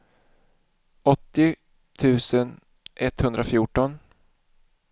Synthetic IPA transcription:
ɔt̪ːɪ | t̪ʰʉ̟ːsən | ʔɛt̪hɵnd̪ɾafjuːʈɔn

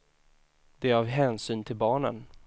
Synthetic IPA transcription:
d̪̥ɛɾɑvɦɛːnsyːnt̪ʰɪlbɑːɳə̰n

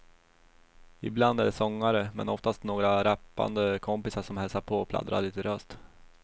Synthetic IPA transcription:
ɪbland̪æɖɛsɔŋːaɾəmɛ̰nɔft̪ast̪noːɡɾaɾɛpːa̰nd̪əkʰɔmpɪsaʂɔmhɛlsaɾpʰoːɔpʰla̰d̪ɾa̰ɭiːt̪əɾœst̪

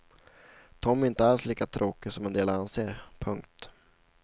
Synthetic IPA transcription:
t̪ʰɔmːæɪnt̪əalsliːkat̪ʰɾʔoːkɪsɔmɛnd̪eːlaanseːɾpʰɵŋkt̪

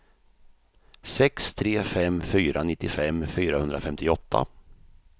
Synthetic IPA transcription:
sɛkst̪ʰɾeːfɛmːfyːɾʔanɪt̪ːɪfɛmːfyːɾahɵnd̪ɾafɛmt̪ɪɔt̪ʰːa̰

